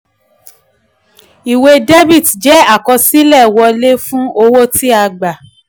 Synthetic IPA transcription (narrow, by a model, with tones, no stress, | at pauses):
i˨we˧de˦bi˦˨td͡ʒɛ˨˦a˦˨kɔ˧si˦lɛ˦˨wɔ˧le˦fũ˦o˧wo˦ti˦a˧ɡ͡ba˨